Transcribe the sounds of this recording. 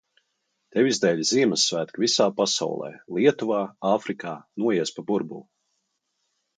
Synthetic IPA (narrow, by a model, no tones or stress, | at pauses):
t̪ɛvizd̪ɛːʎʲziɛməsːvæːt̪kvʲisaːpasa̰wlˠɛ̰ːlˠiɛt̪uvaːaːfɾikaːnuɔjiɛspabuɾbṵlˠ